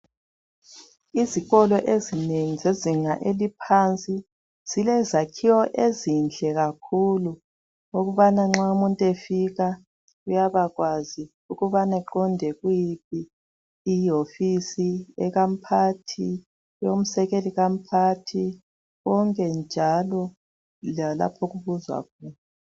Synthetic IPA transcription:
iziɣɔlɔʔezineŋizeziŋaʔelipʰant͡sʼi | z̥ilɛzakʰiwɔʔezind͡ɮʱɛɣakʰulu | oɣuβanaŋ͡ǁwaumuntʼefiɣa | ujaβaɣwazi | uɣuβanɛǃɔndʱɛɣujip̚ʰiː | ofisiɛɣam̩pʰatʰi | jom̩sɛɣeliɣam̩pʰatʰi | ɣɔŋkʼɛnd͡ʒʱalɔ | lala̰pʰɔɣuβuzwa̰kʰuːna

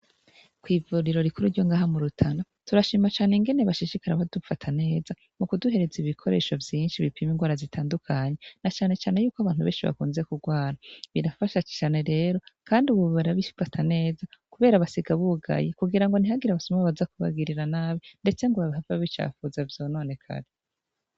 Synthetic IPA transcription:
kwiːvuɾiɾo̞ɾikuɾuɾɟo̞ŋɡaːɦamuɾutʰana | tuɾaʃimat͡ʃaːneŋɡe̞neβaʃiʃikaɾaβadufatʰane̞ːza | mukuduɦe̞ɾe̞ziβikʰo̞ɾe̞̰ːʃovjiːnʃiβipʰimiŋɡwaːɾazitʰaːndukʰaɲe̞nat͡ʃaːne̞t͡ʃaːne̞juːkoaβaːn̥huβḛːnʃiβa̰kuːnzekuɡwaːɾaβiɾafaʃat͡ʃi̥t͡ʃaːne̞ɾe̞ːɾo̞kaːndiuβuββaɾaβifatʰane̞ːzakuβe̞ːɾaβasiɡaβuɡa̰jikuɡiɾaŋɡo̞n̥ihaɡiɾaβasomaβaβazakuβa̰ɡiɾiɾanaːβinde̞t͡se̞ŋɡoβaβiɦavaβit͡ʃa̰ːfuzavjono̞ːne̞kʰa̰ɾi

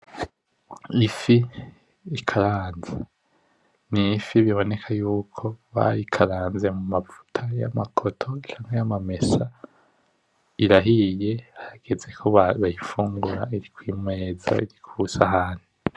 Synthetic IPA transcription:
ifi | ikʰaɾaːnza | nifiβiβo̞ne̞kʰajuːkʰo̞βa̰ɾikʰaɾaːnze̞mumafu̥tʰaja̰makʰo̞tʰo̞t͡ʃaːŋ̥hejamame̞sa | iɾaɦije̞haɾaɡ̥ezekʰoβaβajifuːŋɡuɾaiɾikwiːmŋe̞ːza̰iɾikʰusaɦaːn̥hi

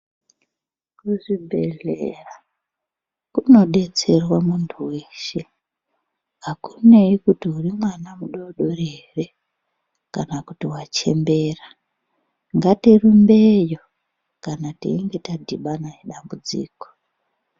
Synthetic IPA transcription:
kuʐibʱeɮera | kuno̞ɗe̞t͡se̞rwamuntʰuweːʃe | ɦakune̞ikutiurimwanamuɗo̞ɗo̞rere̞ | kanakutiwat͡ʃe̞̰mbe̞ːra | ŋɡatirumbejo̞ | kanatḭiŋɡe̞tadʱiɓanajeɗambud͡zḭːko̥

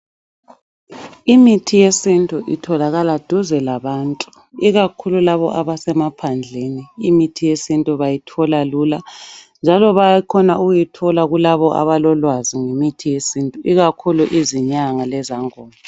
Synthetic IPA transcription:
imitʰijesintʼuʔitʰɔlaɣalad̥ʱuzɛlaβaːntʼu̥ | iɣakʰululaβɔʔaβasɛmapʰand͡ɮʱeniːmitʰijesintʼuβajitʰɔlaluːland͡ʒʱalɔβakʰɔnauɣujitʰɔlaɣulaβɔʔa̰βalɔlwaziŋemitʰijesintʼuʔiɣakʰuluʔiziɲaŋalɛzaŋɔːla

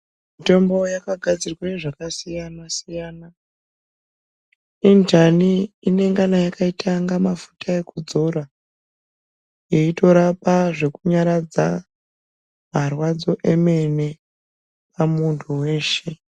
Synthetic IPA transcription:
mito̞mbo̞jakaɡʱad͡zirwaneʐakasijanasijaːna | intaniine̞ŋɡanajakaitʰaŋɡamafu̥tʰae̞kud͡zo̞ɾa | je̞ito̞ɾapaʐe̞kuɲaɾad͡za | marwad͡zo̞ʔe̞me̞ne̞ | pamuntʰuwe̞ːʃe̞

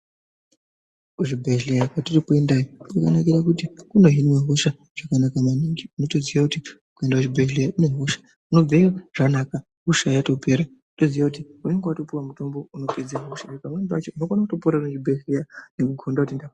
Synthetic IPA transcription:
uʐibʱeʒɮejakwatirikuendajoukanakiɾakutikuno̞ɦinwaɦoʃa | ʐ̥akanakamaniŋɡiuno̞toziwakuti | kue̞ndat͡ʃibʱelejaʔine̞ɦoʃḁ | uno̞b͡veaʐ̥anaka | ɦoʃajato̞pe̞ɾa | utoziwakutiune̞ŋɡewato̞puwamuto̞mbo̞uno̞pe̞d͡zaɦoʃakaune̞ŋɡeat͡ʃeuno̞konakutopoɾaunet͡ʃibʱeɮlejane̞kuɡʱondautendak

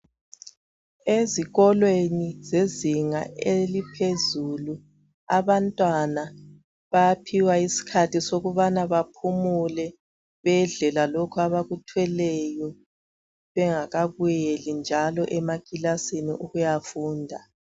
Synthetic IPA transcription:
eziɣɔlwenizeziŋa̰ʔelipʰezulu | aβantʼwana | βapʰiwaisi̥kʰatʰisoɣuβanaβapʰumulɛ | βɛɮɛlalokʰuaβaɣutʰwɛlɛjɔ | βɛŋaɣaβujelind͡ʒʱalɔʔɛmaɡ̥ʼilasiniʔuɣujafuːndʱa

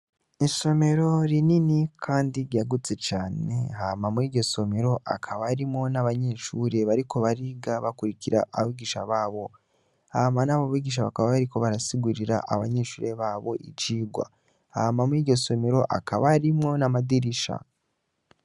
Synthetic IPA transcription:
iso̞me̞ɾo̞ɾininikʰaːndiɾɟaɡut͡se̞t͡ʃaːne̞̰hamamuiːɟo̞so̞me̞ɾo̞ʔa̰kʰaβaɾimŋo̞naβaɲe̞ːʃuːɾe̞βaɾiko̞βaɾiɡaβakuɾiciɾa̰ʔaβaβiːɡiʃaβaːβo̞ | hamanaβaβiːɡiʃ̬aβakaβaβaɾiko̞βaɾasiɡuɾiɾaʔaβaɲe̞ːʃuːɾe̞βaːβo̞̰ʔḭt͡ʃiːɡwa̰ | hamamuiːɟoso̞me̞ɾo̞ʔa̰kʰaβaɾimŋo̞namadiɾiʃa̰

